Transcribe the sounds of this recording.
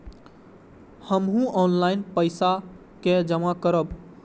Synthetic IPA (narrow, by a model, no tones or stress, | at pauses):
həmɦũɔnlajnpəjsa | ked͡ʒəmakəɾəb